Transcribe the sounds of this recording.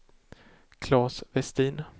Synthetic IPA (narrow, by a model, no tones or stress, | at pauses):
kʰlɑːsvɛst̪iːn